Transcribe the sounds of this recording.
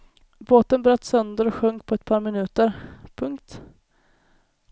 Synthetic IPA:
boːt̪ənbɾœt̪ːsœnd̪əɾɔɧɵŋkpʰɔɛt̪̚pʰɑːɾmɪnʉ̟ːt̪əɾpʰɵŋkt̪

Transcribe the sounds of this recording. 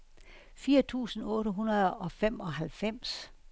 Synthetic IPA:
fiːɐt͡sʰṵːsn̩ɔːɾəɦunɐð̩ˠɒ̽fem̰ɒ̽ɦælfem̰s

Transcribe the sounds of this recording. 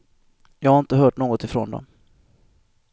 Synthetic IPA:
jɑːɡhaɾɪnt̪əɦœːʈɳoːɡɔt̪ɪfɾo̰ːnd̪ɔ̰m

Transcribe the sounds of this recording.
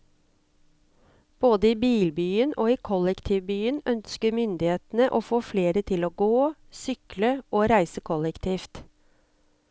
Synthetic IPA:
b̥oːd̪əiːbiːlbyːənoːiːkʰɔlɛkt̪ʰiːʋbyːənœnskəmʏnd̪ɪheːt̪n̩əʔoːfoːfleːɾət̪ʰɪloːɡoːsʏkləʔoːɾæɪsəkʰɔlɛkt̪ʰiːft̪

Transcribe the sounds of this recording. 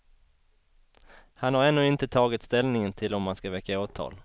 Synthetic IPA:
hanhaɾɛnːɵːɪnt̪ət̪ʰɑːɡɪt̪st̪ɛlnɪŋənt̪ʰɪlɔmːanskavɛkːaoːt̪ʰːɑ̰ːl

